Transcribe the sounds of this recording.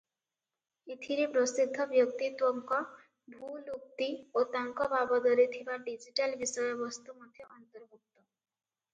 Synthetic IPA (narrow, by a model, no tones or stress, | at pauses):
it̪ʰiɾepɾɔsid̪ʱːɔbjɔk̚t̪it̪wɔŋkɔ | bʱuluk̚t̪iot̪aŋkɔbabɔd̪ɔɾit̪ʰibaɖid͡ʒiʈalbisɔjɔbɔst̪umɔd̪ʱjɔʔɔnt̪ɔɾbuk̚t̪ɔ